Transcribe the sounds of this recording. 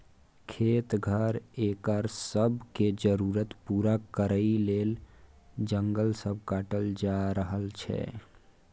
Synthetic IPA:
kʰet̪ɡʱəɾekəɾsəbked͡ʒəɾuɾət̪puːɾakəɾəilel | d͡ʒəŋɡəlsəb̚ʱkaːʈəld͡ʒaɾəɦəlt͡ʃʰɛ̰

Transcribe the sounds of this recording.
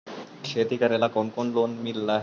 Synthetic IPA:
ʃet̪ikaɾelakonkonlonmilːa

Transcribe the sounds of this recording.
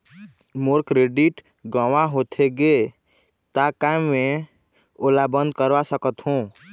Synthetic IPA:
moɾkɾeɖiʈ | ɡaʋaɦot̪ʰeɡe | t̪akamːẽ | olabə̃nd̪kəɾʋasəkət̪ɦõ

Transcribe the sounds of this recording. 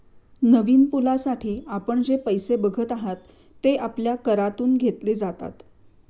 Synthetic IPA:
nəʋiːnpulasaʈʰiːapəɳd͡ʑepəjsebəɡʱət̪aɦat̪ː | eʔapljakəɾat̪uːnɡʱet̪leːd͡zat̪a̰t̪

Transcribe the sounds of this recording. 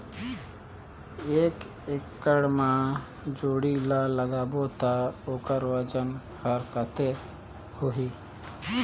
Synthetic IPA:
eːk | ɪkːəɽmã | d͡ʒoːɽilaləɡaːbot̪aoːkəɾʋəd͡ʒən | həɾkət̪e | hʊɦiː

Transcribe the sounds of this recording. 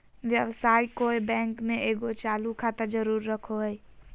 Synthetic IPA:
ʋjəʋsaːikojbɛ̃ːŋkmẽʔeɡot͡ʃaːlukʰat̪əɾd͡ʒəɾuːɾːəkʰoɦəj

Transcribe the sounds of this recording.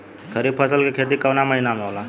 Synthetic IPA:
kʰəɾiːbpʰəsəlkekʰeːt̪̬ikɐnaməɦinamẽɦoːla

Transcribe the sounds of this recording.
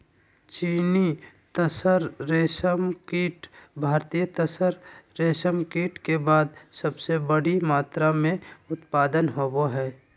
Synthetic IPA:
t͡ʃiːni | t̪əsəɾːeːsəmkiːʈbʱaːɾt̪ijət̪əsəɾːeːʃəmkiːʈkebaːd̪səbsebəɽimaːt̪ɾamẽʊt̪paːd̪ənɦoːboɦɛː

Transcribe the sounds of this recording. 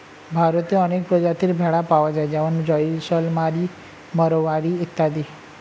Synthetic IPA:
bʱaɾət̪eənek̚pɾəd͡ʒat̪ʰiɾbʱɛɽapaʋad͡ʒajd͡ʒaʋand͡ʒɔisəlmaɾi | məɾoʋaɾiut̪ːad̪i

